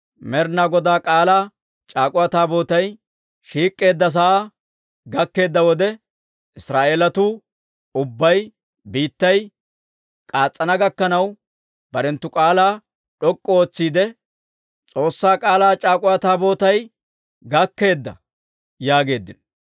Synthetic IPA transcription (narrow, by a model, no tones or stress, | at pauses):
mɛɾnaːɡɔd̪aːkʼaːlaː | t͡ʃʼaːkʼʊwaːt̪aːbo̞ːt̪ɐj | ʃiːkʼːe̞ːd̪ːɐs̬ɐaa | ɡɐkːe̞ːd̪ːɐwɔd̪ɛ | ɪsɾaːʔeːlɐt̪ʊ | ʊbːɐj | biːt̪ːɐj | kʼaːt͡sʼːɐnɐɡɐkːɐnɐw | b̥ɐɾɛnt̪ːʊkʼaːlaː | ɗɔkʼːɔoːt͡sːiːd̪ɛ | t͡sʼo̞ːsːaːkʼaːlaːt͡ʃʼaːkʼʊwaːt̪aːbo̞ːt̪ɐj | ɡɐkːe̞ːd̪ːɐ̰ | jaːɡe̞ːd̪ːɪn